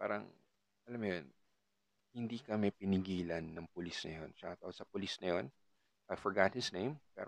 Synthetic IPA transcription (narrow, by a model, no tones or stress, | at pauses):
pa̰ːɾɐ̰ŋ | ʔɐlamːʊjon | hɪnd̪ikɐmɛpɪnɪɡiːlɐnːɐŋpʊlisnɐ̰jo̞nʃɐakɐt̪ɐosɐpʊlisnɐjo̞n | ʔajfɔɹɡat̪̚hɪsnẽjmpɛ̰ːɾ